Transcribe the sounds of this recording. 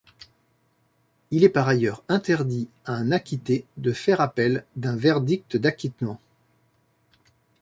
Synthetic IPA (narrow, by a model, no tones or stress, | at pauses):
ilɛpaʁajœʁɛ̃t̪ɛʁd̪i | aɛ̃nakʲit̪ed̪əfɛʁapɛld̪ɛ̃vɛʁd̪ik̚t̪d̪akʲit̪mɑ̃